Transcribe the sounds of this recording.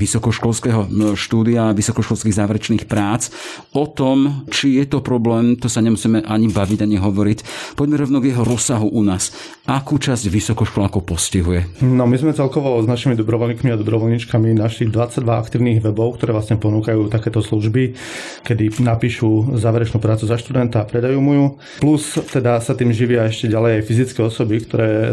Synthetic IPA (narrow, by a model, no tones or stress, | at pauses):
ʋisɔkɔʃkɔlskɛːɦɔʃt̪uːd̪iaʋisɔkɔʃkɔlskiːɣzaːʋɛɾɛt͡ʃniːxpɾaːt͡s | ɔt̪ɔmt͡ʃijɛt̪ɔpɾɔblɛːmt̪ɔsaɲɛmusiːmɛʔaɲibaʋiɟaɲɛɦɔʋɔɾicpɔɟmɛɾɔʋnɔɡjɛɦɔɾɔsːaɦuʔunaːs | ʔakuːt͡ʃazɟʋisɔkɔʃkɔlaːkɔpɔsciɦujɛnɔmizmɛt͡sɛlkɔʋɔznaʃimid̪ɔbɾɔʋɔlɲikmiad̪ɔbɾɔʋɔlɲit͡ʃkaminaʃiːɣd̪ʋat͡saɟ̚d̪ʋaa̰kt̪iːʊniːɣʋɛbɔʊkt̪ɔɾɛːʋlasɲɛpɔnuːkajuːt̪akɛːt̪ɔsluʒbi | kɛd̪inapiːʃuzaːʋɛɾɛt͡ʃnuːpɾaːt͡suzaʃt̪ud̪ɛnt̪aːpɾɛd̪ajuːmuju | plust̪ɛd̪asat̪iːmʒiʋɪaɛʃcɛɟalɛjajfizit͡skɛːɔsɔbikt̪ɔɾɛː